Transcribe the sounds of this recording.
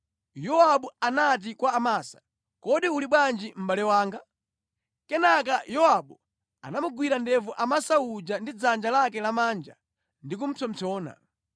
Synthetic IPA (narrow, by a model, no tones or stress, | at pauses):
jɔwaɓuanat̬ikwaːmasḁ | kɔɗiuliɓwand͡ʒim̩ɓalɛwaːŋɡa | kɛnak̬ajɔwaɓu | a̰namuɡwiɾandɛvuʔamasaud͡ʒandid͡zand͡ʒalakɛlamaːnd͡ʒa | ndik̬um̩t͡sɔm̩t͡sɔːna̰